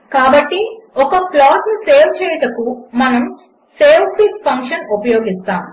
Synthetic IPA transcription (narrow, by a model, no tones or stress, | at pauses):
kaːbɐʈːiɔkɐplaːʈnuseːwt͡ʃɛːjɐʈɐkumɐnɐm | seːwʈikpʰɐŋkʂɐnupɐjoːɡist̪aːm